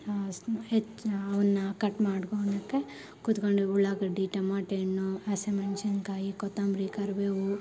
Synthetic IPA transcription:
et͡ʃɐʋɐnːɐkɐʈmaːɽkoːnɐkːe | kut̪koɳɖiuɭaːɡɐɖiːʈɐmaːʈeːnːoɐsemɐnʃɐnkaːjikɔt̪ːaːmbɾiːkɐɾʋeːwu

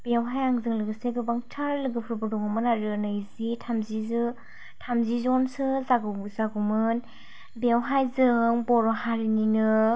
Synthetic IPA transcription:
b̥ewɦajaŋzɯŋlɯɡɯseɡɯbaŋtʰaɾlɯɡɯpʰɾɯbɯdɔŋɯmɯnaɾɯnɯjzitʰamzizɯ | tʰamzizɔnsɯzaɡɯbuzaɡɯmɯn | bewɦajzɯŋbɔɾɔhaɾininɯ

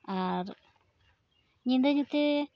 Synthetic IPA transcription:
a | ɲind̪aɲut̪i

